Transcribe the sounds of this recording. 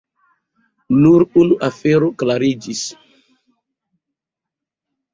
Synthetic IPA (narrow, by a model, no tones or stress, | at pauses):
nuɾunuʔafeɾoklaɾid͡ʒis